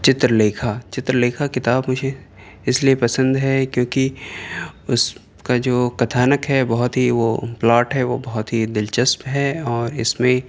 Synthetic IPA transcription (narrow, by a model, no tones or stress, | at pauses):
t͡ʃɪt̪ɾəleːkʰat͡ʃɪt̪ɾəleːkʰakɪt̪aːbmʊd͡ʒʱe | ɪsliepɐsə̃nd̪ɦɛkjõːki | ʊs | kad͡ʒoːkɐt̪ʰaːnəkɦɛbɐɦʊt̪ɦiʋoplaːʈɦɛʋobɐɦʊt̪ɦid̪ɪlt͡ʃəspɦɛɔːɾɪsmẽ